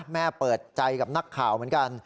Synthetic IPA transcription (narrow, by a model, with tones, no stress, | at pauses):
mɛː˥˩pɤː˨˩t̪̚t͡ɕa˧jka˨˩p̚na˦˥kʰːaː˨˩wmɯ˨˩˦ənka˧n